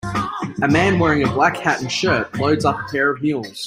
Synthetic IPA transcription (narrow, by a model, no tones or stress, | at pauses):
ɨmæ̃nwɛɹɪ̃ŋɨblækhæʔn̩ʃɜˑt̚ləʊdzɑpə̥pʰɛɹʌv̥jʉlˠz̥